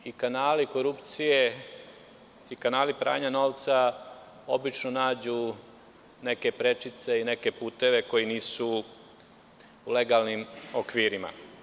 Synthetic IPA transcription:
ikanaːliko̞ɾupt̪sije̞ | ikanaːlipɾa̰ːɲano̞ːʋt̪sa | o̞bit͡ʃnonaːd͡ʑu | ne̞ke̞pɾe̞t͡ʃit̪se̞ine̞ke̞puːt̪e̞ʋe̞ko̞jiniːsu | uleɡalnimokʋiːɾima̰

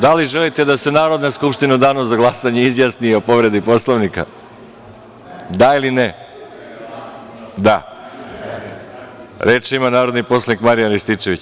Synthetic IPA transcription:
d̪aliʒelit̪e̞d̪ase̞naːɾo̞d̪naskupʂt̪inud̪aːnozaɡlˠasaɲeizjasnio̞po̞ʋɾe̞d̪ipo̞slˠoʋnika̰ | d̪ailine | d̪a | ɾe̞ːt͡ʃimanaːɾod̪nipo̞slˠanikmaɾijanɾist̪it͡ʃe̞ʋit͡ɕ

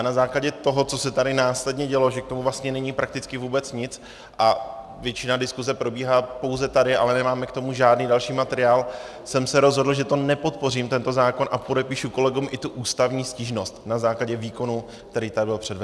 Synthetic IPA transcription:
janazaːklaɟɛt̪o̞ɦot͡so̞sɛt̪aɾɪnaːslɛdɲɛɟɛlo̞ʒɛk̚t̪o̞muvlast̪ɲɛnɛɲipɾak̚t̪ɪt͡skɪvuːbɛt͡sɲɪt͡s | ʔa | vjɛt͡ʃɪnadɪskuzɛpɾo̞biːɦaːpo̞wzɛt̪adɪʔa̰lɛnɛmaːmɛkt̪o̞muʒaːdniːdalʃiːmat̪ɛɾɪaːl | sɛmsɛɾo̞zɦo̞dl̩ʒɛt̪o̞nɛpo̞t̪po̞riːmt̪ɛnt̪o̞zaːko̞nʔapo̞dɛpiːʃuko̞lɛɡumʔɪt̪uʔuːst̪avɲiːsciːʒnost̪nazaːklaɟɛviːko̞nu | k̚t̪ɛɾiːt̪adɪbɪlpr̥ɛdvɛ

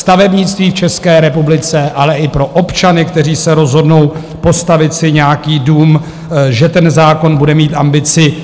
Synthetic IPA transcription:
st̪avɛbɲɪt͡st̪viːft͡ʃɛskɛːɾɛpublɪt͡sɛʔalɛʔɪpɾo̞ʔo̞pt͡ʃanɪkt̪ɛriːsɛɾo̞zɦo̞dno̞w | po̞st̪avɪt̪sɪɲɛakiːduːm | ʒɛt̪ɛnzaːko̞nbudɛmiːt̪ʔambɪt͡sɪ

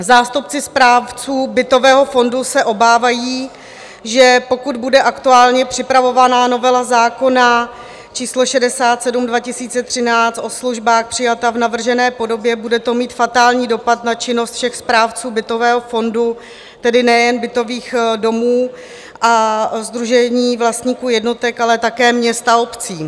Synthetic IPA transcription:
zaːst̪upt͡sɪspɾaːft͡suːbɪt̪o̞vɛːɦo̞fo̞ndusɛʔo̞baːvajiː | ʒɛpo̞kud̪budɛʔakt̪uaːlɲɛpr̥ɪpɾavo̞vanano̞vɛlazaːko̞na | t͡ʃiːslo̞ʃɛdɛsaːt̪sɛdumdvacɪsiːt͡sɛt̪r̝̥ɪnaːt͡st̪ʔo̞sluʒbaːxpr̝̥ɪjat̪avnavr̩ʒɛnɛːpo̞do̞bjɛbudɛt̪o̞miːt̪fat̪aːlɲiːdo̞pat̪nat͡ʃɪno̞st̪fʃɛxspɾaːft͡suːbɪt̪o̞vɛːɦofo̞ndu | t̪ɛdɪnɛjɛnbɪt̪o̞viːxdo̞muː | ʔazd̪ɾuʒɛɲiːvlast̪ɲiːkuːjɛdno̞t̪ɛkalɛt̪akɛːmɲɛst̪ao̞pt͡siː

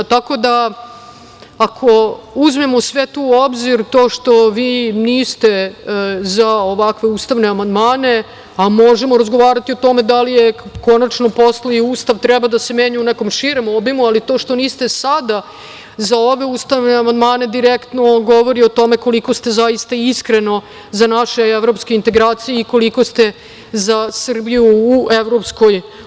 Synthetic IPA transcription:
t̪ako̞d̪a | akʰo̞uzmemosʋet̪uːobziɾt̪o̞ːʂt̪o̞ʋiːniːst̪e̞ | zaoʋakʋe̞uːst̪aʋne̞amand̪maːne̞ | amo̞ʒemoɾazɡo̞ʋaːɾat̪io̞t̪o̞me̞d̪alijeko̞nat͡ʃnopo̞sloiuːst̪aʋt̪ɾɛbad̪ase̞meːɲuuneko̞mʂiɾemobimualit̪oːʂt̪o̞niːst̪e̞sad̪a | zao̞ʋe̞uːst̪aʋneamand̪maːne̞d̪iɾekt̪no̞ɡo̞ʋo̞ɾio̞t̪o̞meko̞liko̞st̪ezajist̪aiskɾe̞no̞ | zanaʃe̞eʋɾo̞pskeint̪e̞ɡɾaːt̪sijeiko̞liko̞st̪e̞ | zasr̩bijuːeʋɾo̞psko̞j

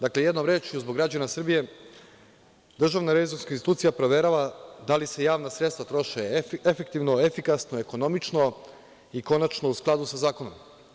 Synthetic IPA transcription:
d̪akleje̞d̪no̞mɾe̞ːt͡ʃiuzboɡɾad͡ʒanasr̩bije̞ | d̪r̩ʒaʋnaɾeʋizonskainst̪it̪uːt̪sijapɾoʋje̞ɾaʋad̪alise̞jaːʋnasɾet̪st̪ʋat̪ɾo̞ʃeefe̞kt̪iʋno̞e̞fikasnoeko̞no̞mit͡ʃno̞ | iko̞nat͡ʃnousklˠad̪usazaːkono̞m

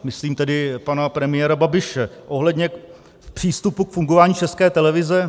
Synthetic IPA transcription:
mɪsliːmt̪ɛdɪpanapɾɛmɪjɛːɾababɪʃɛʔo̞ɦlɛdɲɛ | pr̥iːst̪upukfuŋɡovaːɲiːt͡ʃɛskɛːt̪ɛlɛvɪzɛ

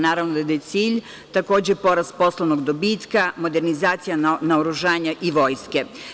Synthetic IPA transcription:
naːɾaʋnod̪ad̪ajet̪siːʎ | t̪ako̞ːd͡ʑepo̞ɾaspo̞slˠonoɡd̪o̞biːt̪kamo̞d̪e̞ɾnizaːt̪sijanaoɾuʒaːɲaʔiʋo̞ːjske̞

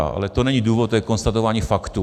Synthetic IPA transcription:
a̰ʔa̰lɛt̪onɛɲiduːvot̪ːjɛkonst̪at̪ovaːɲiːfakt̪u

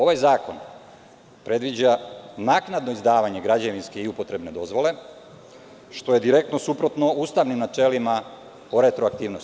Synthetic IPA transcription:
o̞ʋajzaːko̞̰n | pɾe̞d̪ʋid͡ʑanaknad̪no̞izd̪aːʋaɲe̞ɡɾad͡ʑaʋinske̞iupo̞t̪ɾe̞bne̞d̪o̞zʋo̞le̞ | ʃt̪o̞je̞d̪iɾe̞k̚t̪nosupɾo̞t̪no̞ust̪aʋnimnat͡ʃe̞lima | oɾe̞t̪ɾoak̚t̪iːʋnos

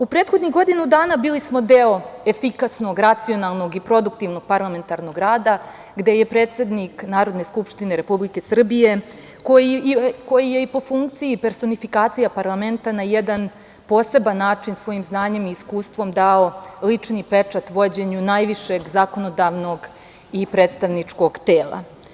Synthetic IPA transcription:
upɾeːt̪xo̞d̪niɡo̞d̪inud̪aːnabiːlismo̞d̪eo̞e̞fikasno̞ɡɾat̪sio̞nalˠno̞ɡipɾo̞d̪ukt̪iʋno̞ɡ̚paɾlˠame̞nt̪aɾno̞ɡɾaːd̪a | ɡd̪e̞je̞pɾe̞ːt̪se̞d̪niknaːɾo̞d̪ne̞skupʂt̪ineɾe̞publike̞sr̩bije̞ | kojiko̞jije̞ipo̞fuŋkt̪sijipe̞ɾso̞nifikaːt̪sijapaɾlˠame̞nt̪anajed̪an | po̞ːse̞banːaːt͡ʂinsʋo̞jimznaːɲe̞miːskuːst̪ʋo̞md̪aolit͡ʂnipe̞t͡ʂat̪ʋo̞d͡ʑe̞ɲunajʋiʃe̞ɡzako̞no̞d̪aʋno̞ɡ | ipɾe̞ːt̪st̪aʋnit͡ʂko̞ɡt̪eːlˠa̰

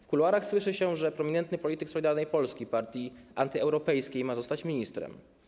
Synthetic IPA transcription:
fkulwaɾaxswɘʂɘɕɛʐɛpɾɔmʲiɲɛnt̪nɘpɔlʲit̪ɘksɔlʲid̪aɾnɛjpɔlskʲipaɾt̪ʲjiʔant̪ɘɛwɾɔpɛjskʲejmazɔst̪at͡ɕmʲiɲist̪ɾɛ̰m

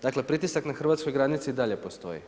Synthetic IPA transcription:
d̪akle̞pɾit̪isaknaxr̩ʋat̪skojɡɾaːd̪nit̪siiːd̪aʎe̞post̪o̞̰jḭ

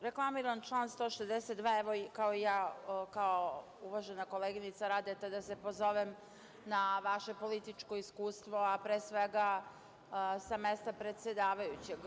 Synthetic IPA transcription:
ɾeklˠamiːɾant͡ʃlˠaːnst̪o̞ːʃezd̪eset̪̚d̪ʋaːeʋokaoijaːkao | uʋaʒenako̞leɡinit̪saɾaːd̪et̪ad̪ase̞pozo̞ʋem | naʋaʃe̞po̞lit̪it͡ʃko̞iskuːst̪ʋo̞apɾeːsʋe̞ɡa | samest̪apɾe̞t̪sʲjed̪aːʋajut͡ɕeɡ

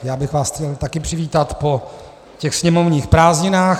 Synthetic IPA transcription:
jaːbɪxvaːsxcɛlt̪akɪpr̥ɪviːt̪at̪po̞ | cɛxsɲɛmovɲiːxpɾaːzɲɪnaːx

